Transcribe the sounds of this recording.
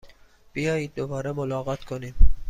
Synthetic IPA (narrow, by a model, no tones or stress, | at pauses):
b̥ijɒːjiːd̪̚ːobɒːɾemolɒːɣɒt̪kʰoniːm